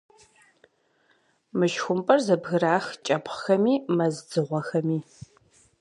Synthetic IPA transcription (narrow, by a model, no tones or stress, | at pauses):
mɨʃxʷʊmpʼɐrzɐbɣɨɾaːxt͡ʃʼɐpχxɐmiːmɐzd͡zɨʁʷɔxɐmiː